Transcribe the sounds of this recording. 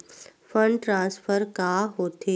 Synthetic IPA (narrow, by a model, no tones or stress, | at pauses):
fəɳɖʈɾãnsfəɾkaɦot̪e